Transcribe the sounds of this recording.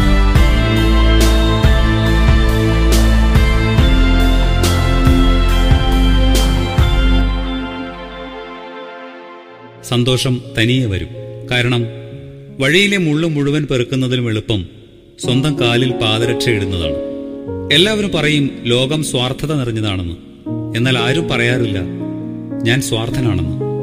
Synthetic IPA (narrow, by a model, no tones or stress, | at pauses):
sɐnd̪o̞ːʂɐmt̪ɐnijɐʋɐ̰ɾṵmkaːɾɐɳɐm | ʋɐɻijile̞muɭːumːuɻuʋɐnperukːunːɐðilume̞ɭupːɐm | swɐnd̪ɐmkaːlilpaːðɐɾɐʈʰːɐjiɽunːɐða̰ːɳɨ | e̞lːaːʋɐɾumpɐrɐjumlo̞ːɡɐmswaːrt̪ʰːɐðɐniriɲːɐðaːɳenːɨ | e̞nːaːlaːɾumpɐrɐjaːrilːɐ | ɲaːnswaːrt̪ʰɐnaːɳḛnːɨ